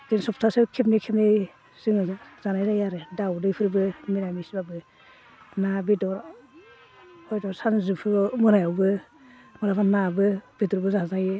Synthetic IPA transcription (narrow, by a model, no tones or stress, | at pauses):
ɡɯnsɔptʰasɯkʰepnikʰepni | z̥ɯŋazaz̥anajzajaɾɯdawdɯjpʰɯɾbɯmiɾamisibabɯ | nabidɔɾ | ɔjdɔɾsanzɯpʰɯmɯnajawbɯ | mɔɾapʰanabɯb̥iduɾbɯzazajɯ